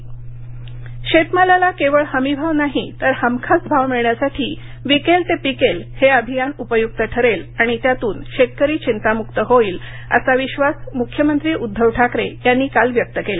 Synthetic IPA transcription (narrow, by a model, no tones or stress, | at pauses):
ɕet̪malalakeʋəɭhəmibʱaʋnaɦit̪əɾhəmkʰat͡sbʱaʋmiɭɳjasaʈʰiː | ʋikelt̪epikelheəbʱijanupəjuk̚t̪əʈʰəɾelaɽ̃it̪jat̪uːnɕet̪̚kəɾiːt͡ɕint̪amukt̪əɦoiːl | ə̰saʋiɕʋasmukʰːjəmənt̪ɾiːʔud̪ʱːəʋʈʰakɾejanːiːkalʋjək̚t̪əkele